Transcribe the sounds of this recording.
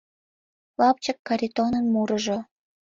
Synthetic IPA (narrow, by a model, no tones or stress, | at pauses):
lɑp̚t͡ɕəkːɑɾʲit̪onənmuɾəʒo